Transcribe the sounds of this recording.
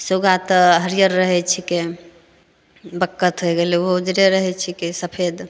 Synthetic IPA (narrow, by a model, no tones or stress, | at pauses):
suɡat̪əɦəɾijəɾːəɦɛt͡ʃʰike | bəkːət̪ɦojɡeleɦod͡ʒɾeɾəɦɛt͡ʃʰikesəpʰed̪